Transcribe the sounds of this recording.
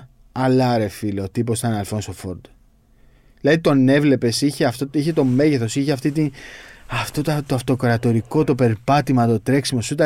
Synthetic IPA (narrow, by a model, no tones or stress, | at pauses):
ɐlɐɾe̞filo̞t̪ip̬o̞st̪ɐnɐlfo̞nsofoɾd̪̥ | ilɐðit̪o̞ne̞vle̞pe̞siçeɐft̪oiçe̞t̪o̞me̞ʝeθo̞siçeft̪it̪inɐft̪ot̪t̪oɐft̪o̞kɾɐt̪o̞ɾiko̞t̪o̞pe̞ɾpɐt̪imɐt̪o̞t̪ɾe̞ksimo̞sut̪ɐ